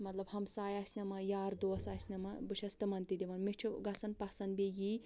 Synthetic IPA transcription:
mɐt̪lɐbhɐmsaːjaːsʲnʲɐmɐjaːɾd̪osaːsʲnʲɐmɐbɨʃʰɐst̪ɨmɐnt̪id̪ʲiʋɐnmit͡ʃʰuɡɐsɐnpɐsɐnbeji

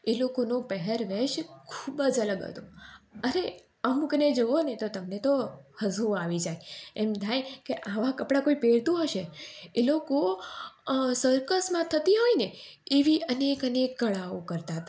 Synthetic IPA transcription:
elokonopəɦɛɾʋeʃkʰubəd͡ʒələɡɦə̰t̪oəɾe | əmkəned͡ʒoonet̪ot̪əmnet̪ohəzuaʋid͡ʒajɛmd̪ʱajkeʔaʋakəpɽakoipeɽt̪ũɦəʃeeloko | səɾkəsmãt̪ʰət̪iɦoineeʋiʔənekənekːəɭaokəɾt̪aɦət̪a

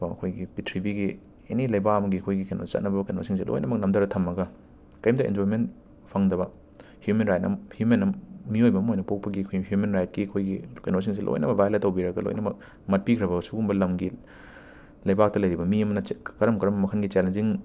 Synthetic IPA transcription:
ɐ̰kʰojɡipitʰɾibiɡi | ḛnilɐjbaɐmɐɡiɐkʰojɡikeno̰sɐ̰t̚nɐbɐkɐno̰siŋselʔo̰jnɐmɐk̚nɐmdɐɾɐtʰɐmːɐɡɐ | kɐjmdɐḛndojmen | pʰɐŋdɐbɐ | hjumenɾajt̚nɐ̰mhjumenɐmmiojbɐːmojnɐpok̚pɐɡiɐkʰojɦjumenɾajt̚kiɐkʰojɡikenos̬iŋs̬elʔo̰jnɐmɐbʱajletːɐwbiɾɐɡɐlo̰jnɐmɐk̚ | mɐt̚pikʰɾɐβɐsuɡumbɐlɐmɡi | lɐjbak̚tɐlɐjɾibɐmiɐmɐnɐkɐɾɐmkɐɾɐmmɐkʰɐnɡit͡ʃelenziŋ

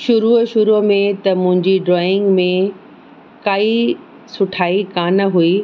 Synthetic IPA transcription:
ʃʊɾuːʃʊɾumẽt̪ɐmʊ̃ɦɪ̃ɲd͡ʑiɖɾɔːɪ̃ŋɡmẽ | kaːi | sʊʈʰaːikaːnɐɦuiː

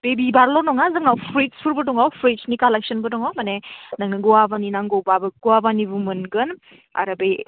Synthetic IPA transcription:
b̥ebibaɾlɔnɔŋazɯŋnawpʰɾispʰuɾbɯdɔŋawpʰɾisnikalek̚sənbɯdɔŋawmanenaŋniɡɔabaninaŋɡɔwbabɯɡuwabanibumɯnɡɯn | a̰ɾɐbej

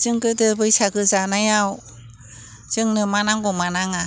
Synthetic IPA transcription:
zɯŋɡɯdɯbɯjsaɡɯzanajaw | z̥ɯŋnɯmanaŋɡɔmanaŋa

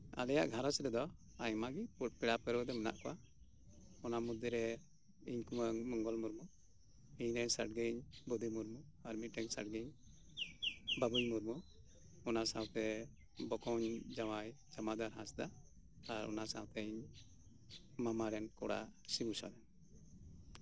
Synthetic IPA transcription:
a̰lɛja̰ʔɡʱaɾɔsɾɛd̪ɔ | aɲmaɡippɛɽapɛɾɔd̪ɛməna̰ʔkɔwa | ɔnamud̪iɾɛ | iɲkuməŋmɔŋɡɔlmuɾmu | iɲɾəɲsa̰ʈ̚ɡiɲbɔd̪imuɾmu | aɾmiʈɛŋsa̰ʈ̚ɡiɲ | babujmuɾmu | ɔnasawt̪ɛ | bɔkɔwɲd͡ʒamaj | d͡ʒamad̪aɾɦãsd̪a | aɾɔ̰nasa̰wt̪ɛɲ | mamaɾɛnkɔɽa̰simusa̰d̪ɛn

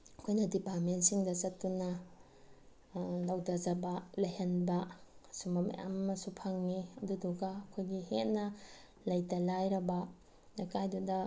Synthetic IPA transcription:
ɐkʰojnɐdipaɾmentsiŋdɐzɐtːunɐ | lawdazɐbɐlɐjɦanbɐsumɐmɐ̰ja̰mmɐsupʰaŋniɐduduɡaːkʰojɡiɦet̚nɐ | lɐjtalajɾɐba | nakajdudɐ

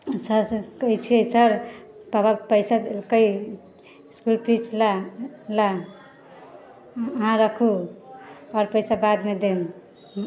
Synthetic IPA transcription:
səɾskəjt͡ʃʰiesəɾbabapəjsad̪kəj | skulpɾit͡ʃʰlala | əɦãɾəkʰu | ɔɾpəjsabad̪med̪em

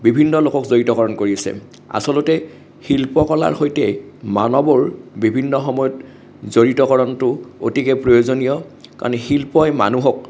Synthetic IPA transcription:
bibʱinːɔlokɔkzoɹitɔkɔɹɔnkoɹiasɛ̰ | a̰sɔlʊtɛ | xilpɔkɔla̰ɹxojtɛmanɔbɔɹbibʱinːɔxɔmɔjɔt | zoɹitɔkɔɹɔntʊo̰tikɛpɹojozonijɔka̰ɹnɛxilpɔjma̰nuɦɔk̚

